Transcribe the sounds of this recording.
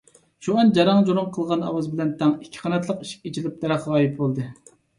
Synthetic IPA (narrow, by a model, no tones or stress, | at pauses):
ʃuɛnd͡ʒɑɾɑŋd͡ʒoɾʊŋqʰəlˠʁɑnɑ̰wɑzbɪlɛnt̪ʰɛŋi̥kʲʰːi̥qʰɑnɛt̪̬lˠəqiʃi̥kʲit͡ʃʰilɪp̚d̪ɛɾɑχʁɑːjip̚bolˠd̪ɨ